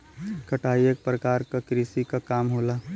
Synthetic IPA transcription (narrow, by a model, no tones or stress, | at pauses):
kɐʈaːiek̚pɾəkaːɾkakɾisikakaːmɦoːla